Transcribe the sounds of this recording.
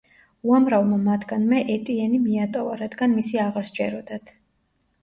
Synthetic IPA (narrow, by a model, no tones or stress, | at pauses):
uamɾavmamat̪ʰɡ̥anmɛʔɛt̪ʼiɛnimiat̪ʼɔvaɾad̪ɡanmisiaʁaɾsd͡ʒɛɾɔd̪at̪ʰ